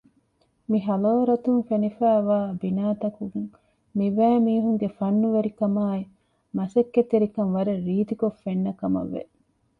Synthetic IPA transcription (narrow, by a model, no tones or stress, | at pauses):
miɦɐloːɾɐt̪uŋfenifæːʋaːbinaːt̪ɐkuɡuŋ | miʋæːmiːɦuŋɡefɐnːuʋeɾikɐmaːi | mɐsekːet̪eɾikɐŋʋɐɾeɾiːt̪ikofːenːɐkɐmɐ̰ʋːḛ